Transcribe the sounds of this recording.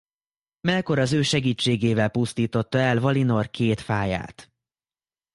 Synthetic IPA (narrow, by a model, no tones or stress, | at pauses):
mɛko̞ɾɒzøːʃɛɡiːt͡ʃːeːɡeːvɛlpust̪iːt̪o̞t̪ːɒɛlvɒlino̞rkʰeːt̪faːja̰ːt̪